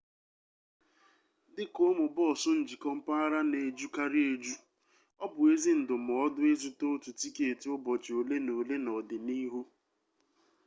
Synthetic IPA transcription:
dɪ˦ko˦mʊ˨bɔ˦˨sʊ˦n̩˨d͡ʒi˨kɔ˦m̩˦pa˦a˦ɾa˦ne˨d͡ʒu˦ka˦ɾɪ˦e˨d͡ʒu˦ | ɔ˦bʊ˨e˦zi˦n̩˨dʊ˨m˨ɔ˨ɔ˦dʊ˦e˦zu˨to˦tu˨ti˦ke˨e˨tʊ˦bɔ˨t͡ʃo˨le˦no˨le˦nɔ˨dɪ˨ni˦ɦu˦

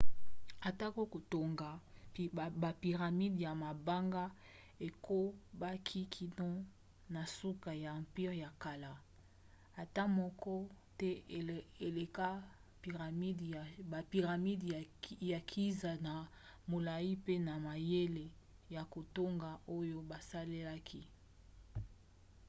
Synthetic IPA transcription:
a˨ta˦ko˦ko˨to˨ŋɡa˨ | ba˨pi˨ʁa˨mi˦dja˨ma˨ba˦ŋɡa˦ | e˨ko˦ba˦kʰi˦kʰi˨dɔ̃˦ | na˨su˦ka˨ja˨ã˨mpi˦ʁja˨ka˨la˨ | a˨ta˦mɔ˦kɔ˦ | tɛ˦˨e˨le˨ka˦ | pi˨ʁa˨mi˦dba˨pi˨ʁa˨mi˦dja˨kʰi˦za˨na˨ | mo˨la˨ji˦pe˦na˨ma˨je˦le˨ | ja˨ko˨to˦ŋɡa˨o˦jo˦ba˨sa˦le˦la˦kʰi˦

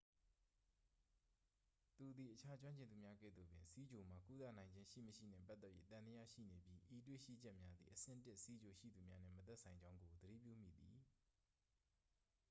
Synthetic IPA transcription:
t̪u˨d̪i˨ʔət͡ɕʰa˦t͡ɕwã˦ɲt͡ɕɪ̃˨nd̪u˨mja˦ɡɛ̰˦˨d̪ðo˨bjɪ̰̃˨nsi˦d͡ʑo˨ma˨ku˦t̪a̰˦˨nã˨ɪ̃ɲd͡ʑɪ̃˦ʃḭ˦˨məʃḭ˦˨n̥ɛ̰̃˦˨pa˦t̪ːɛ˦ʔjḛ˦˨t̪ã˨nd̪ə˦ja̰˦˨ʃḭ˦˨ne˨bji˦ʔi˨twḛ˦˨ʃḭ˦˨d͡ʑɛ˦ʔmja˦d̪ðḭ˨ʔəsɪ̰̃˦˨tɪ˦ʔsi˦d͡ʑo˨ʃḭ˦˨d̪u˨mja˦n̥ɪ̰̃˦˨mət̪ɛ˦ʔsʰã˨ɪ̃ɲd͡ʑã˦ʊ̃ŋɡo˨d̪əɾḭ˦˨p̬jṵ˦˨m̥ḭ˦˨d̪i˨

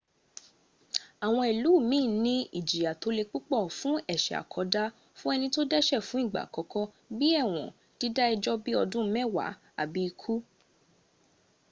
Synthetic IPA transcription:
a˨w̃ɔ̃˧i˨lu˨˦˨mĩː˦˨˦nĩ˦ḭ˦˨d͡ʒi˨ja˨to˨˦le˧k͡pu˦k͡pɔ˦˨fũ˦ɛ˦˨ʃɛ˨a̰˨kʰɔ˨˦da˦ | fũ˦ɛ˧nĩ˧to˦dɛ˦˨ʃɛ˦˨fũ˨˦i˦˨ɡ͡ba̰˨kɔ˨˧kɔ˦ | bi˦ɛ˦˨w̃ɔ̰̃˨ | d̥i˦da˦i˧d͡ʒɔ˦bi˦ɔ˧dũ˦˧˦mɛ̃˦˨wa̰˨˦ | a̰˦˨bi˧i˧kʰu˦

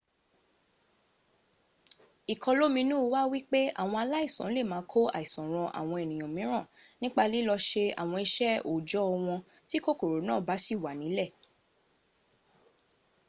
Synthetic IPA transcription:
i˨kʰɔ˧lo˦mĩ˧nũ˦˧wa˦wi˦k͡pe˦a̰˦˨w̃ɔ̃˧a˧la˦i˦˨sɔ̃˨n̩˦le˦˨mãː˨˦kʰo˦a̰˨i˨sɔ̃˨ɾ̃ɔ̃˧ʔa̰˨w̃ɔ̃˧e˨nĩ˨j̃ɔ̃˨mĩ˨˦ɾ̃ã˦˨nĩ˦k͡pa˧li˦lɔ˧ʃe˧a̰˨w̃ɔ̃˧i˧ʃɛ˦o˨d͡ʒɔ˦ɔ˧w̃ɔ̃˧ti˦ko˦ko˨ɾo˨˦nãː˦˨ba˨˦si˦˨wa˨nĩ˨˦lɛ˦˨

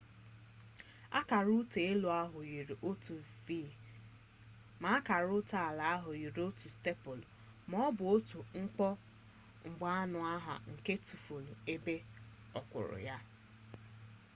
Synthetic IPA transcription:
a̰˦ka˨ɾu˦te˨e˦lo˨a˦ɦʊ˨ji˨ɾi˨ʔo˦tu˨vi˦˨ | ma˨˦a˦ka˨ɾʊ˦ta˨a˨la˨a˦ɦʊ˨ji˨ɾo˦tu˨ste˦pʊ˨l | mɔ˦bʊ˨o˦tu˨ŋ̩˦k͡pɔ˦ | ŋ͡m̩˨ɡ͡ba˨a˦nʊ˨a˦ɦa̰˨ŋ̩˨ke˦tu˨fo˨nu˨e˦be˦ | ɔ˨kʷʊ̰˨ɾʊ̰˨ja˦

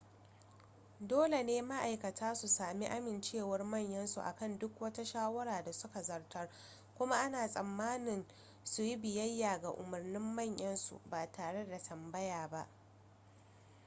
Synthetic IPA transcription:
doː˦le˨neː˦ma˦ʔa˨jkɐ˨tʰaː˦su˨saː˨mi˦ʔa˦mɪ˨nt͡ʃeː˦˨wɐ˦rmɐ˦˨ɲjɐ˦nsṵ˨ʔa̰˨kɐ˦˨ndʊ˦kwɐ˦ta˦ʃaː˦wɐ˦ɾaː˨da˨sʊ˦ka˨zɐ˨rtʰɐ˦r | kʷʊ˦ma˦ʔa˦naː˨sʼɐ˨mːaː˦nɪ˨n | su˨ji˦bɪ˨jɐ˦jːaː˨ɡa˨ʔʊ˨mɐ˨rnɪ˦mːɐ˦˨ɲjʔɐ˦nsṵ˨baː˨tʰaː˨ɽe˦da˨tʰɐ˨mbɐ˦jaː˨ba˦ʔ

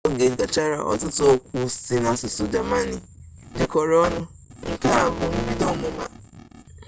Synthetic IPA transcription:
ɡe˨ɡa˨t͡ʃa˦ɾa̰˨ʔɔ̰˨tʊ˦tʊ˦o˦kʷu˦si˦na˦sʊ˨sʊ˨d͡ʒa˨ma˦ni˨ | dɪ˨kɔ˨ɾɔ˦nʊ˦ | ŋ̩˦ka˦˨bʊ˦m̩˦bi˦dɔ˦mʊ˨ma̰˨

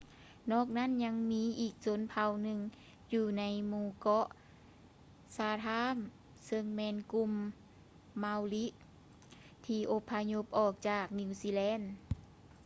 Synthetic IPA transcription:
nɔː˧˥˩k̚na˧˥˨nɲa˧˥ŋmiː˧˥ʔiː˨˩k̚so˧˥npʰa˧˩wnɯ˧ŋ | juː˧˩na˧˥jmuː˧kɔ˧˥ʔ | saː˧˩t̪ʰaː˧˥˨m | sɤ˧ŋmɛː˧˥˨nku˧mː | a˧wli˦˥ʔ | t̪ʰiː˧ʔo˧˥pʰːa˧ɲo˧˥p̚ʔɔː˨˩k̚t͡ɕaː˧˨˩k̚ni˧˨siː˧lɛː˧˥˨n

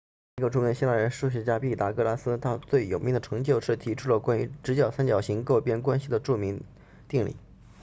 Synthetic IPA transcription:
ə˧ʈ͡ʂu˥˩mi˧˥ŋɕi˥la˥˩ɻə˧˥nʂu˥˩ɕ̬ɛ˧˥t͡ɕja˥pi˥˩t̪a˧˥kɤ˥˧la˥sɹ̩˥t̪ʰa˥t͡swe˥˩ɪjo˨˩ʊmi˥˩d̪ə˩ʈ͡ʂʰɤ˧˥ŋt͡ɕjo˥˧ʊʂɻ̩˥˩t̪ʰi˧˥ʈ͡ʂʰu˥lə˨˩kwa˥ny̰˧˥ʈ͡ʂɻ̩˧˥t͡ɕjɑ˨˩ʊsa˥nt͡ɕjɑ˨˩ʊɕi˧˥ŋko˥˩ʊpjɛ˥nkwa˥nɕi˨˩d̪ə˩ʈ͡ʂu˥˩mi˧˥ŋ | t̪i˥˩ŋlḭ˨˩˦

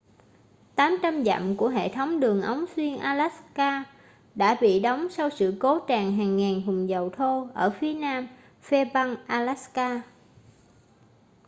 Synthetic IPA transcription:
t̪aː˨˦mt͡ɕa˧mza̰˧˨mku˧˩əɦḛ˧˨t̪ʰə˨˦wŋ͡mɗɨ˨˩əŋʔə˨˦wŋ͡mswi˧ənʔaː˧la˦˥kaː˧ | ɗa̰ː˧˥ɓḭ˧˨ɗə˨˦wŋ͡msa˧wsɨ̰˧˨ko˨˦t͡ɕaː˨˩ŋɦaː˨˩ŋːaː˨˩nɦʊ˨˩ŋ͡mzə˨˩wt̪ʰo˧ʔəː˧˩fi˨˦ənaː˧m | fe˧ɓa˧ŋʔaː˧la˦˥skaː˧

